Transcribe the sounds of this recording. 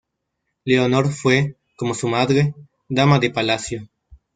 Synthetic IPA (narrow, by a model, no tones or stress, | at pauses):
leonoɾfwe | komo̞sumaðɾe | d̪amaðepalasjo